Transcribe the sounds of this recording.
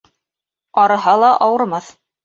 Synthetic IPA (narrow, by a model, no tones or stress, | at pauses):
ɑɾɤ̆ɦɑlˠɑʔɑwɤ̆ɾmɑθ